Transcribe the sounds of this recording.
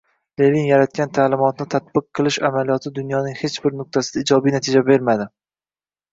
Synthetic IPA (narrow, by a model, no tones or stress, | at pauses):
levinjaɾat̪̚kʲant̪ʰaːlɪmɒt̪nɪt̪ʰat̪̚b̥ɨqʰːɨlˠɪʃamalijɒt̪ʰɪd̪ʊnjɒnɪŋhe̞t͡ʃbɪɾnʊq̚t̪ʰasɪd̪aɪd͡ʒɒbijnat̪ʰɪd͡ʒabe̞ɾmad̪ɪ